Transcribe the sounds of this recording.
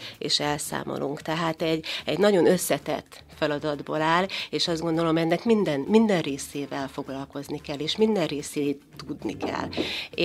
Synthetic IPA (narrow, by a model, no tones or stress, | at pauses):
ḛːʃɛlsa̰ːmʔo̰luŋkt̪ɛɦaːt̪ɛɟːɛɟnɒɟo̞nø̞sːɛt̪ɛ̰t̪ː | fɛlɒd̪ɒd̪bo̰ːlaːleːʃɒzdɡo̞nd̪o̞lo̞mɛnːɛkmind̪ɛnmind̪ɛnreːseːvɛlfo̞ɡlɒlko̞znikɛlːeːʃmind̪ɛrreːseːt̪ːud̪nḭkɛ̰lː